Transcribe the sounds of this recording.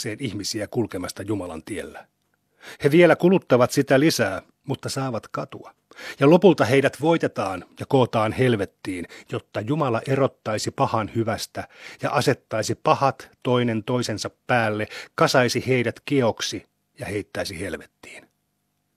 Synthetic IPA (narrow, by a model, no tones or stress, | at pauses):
eːniçmisiækulkemɑst̪ɑjumɑlɑ̰nt̪ielːæ | heʋielækulut̪ːɑʋɑt̪sit̪ælisæː | mut̪ːɑsɑːʋɑt̪kɑt̪uɑ | jɑlo̞pult̪ɑɦeidæt̪ʋo̞jt̪et̪ɑːnjɑkoːt̪ɑːnhelʋet̪ːiːnjot̪ːɑjumɑlɑʔeɾot̪ːɑjsipɑhɑnhyʋæst̪æjɑ̰ʔɑse̞t̪ːɑjsipɑhɑt̪to̞inent̪o̞isensɑpːæːlːekɑsɑjsiheidæt̪kieoksi | jɑhe̞jt̪ːæisihe̞lʋet̪ːi̥ːn